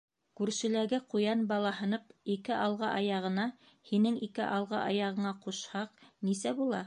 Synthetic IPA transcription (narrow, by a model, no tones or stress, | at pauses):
kʉɾʃɘ̆læɡɘqujɑnbɑlˠɑɦɤ̆nɤpikɘʔɑlˠʁɑʔɑjɑʁɤ̆nɑ | hinɘŋikɘ̰ʔɑlˠʁɑ̰ʔɑjɑʁɤ̆ɴɑquʃhɑqnisæbulˠɑ